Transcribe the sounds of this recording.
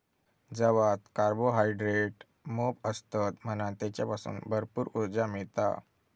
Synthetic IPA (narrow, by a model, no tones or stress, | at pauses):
d͡zəʋat̪kaɾboɦajɖɾeʈ | mopəst̪at̪m̤əñãt̪jat͡ɕjapasṵːnbʱəɾpuːɾuɾd͡ʑamiɭt̪a̰